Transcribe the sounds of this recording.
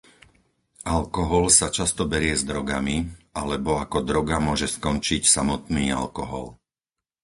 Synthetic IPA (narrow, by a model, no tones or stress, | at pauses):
ʔalkɔɦɔlsat͡ʃast̪ɔbɛɾɪɛzd̪ɾɔɡamialɛbɔakɔd̪ɾɔɡamʊɔʒɛskɔnt͡ʃicsamɔt̪niːa̰lkɔɦɔ̰l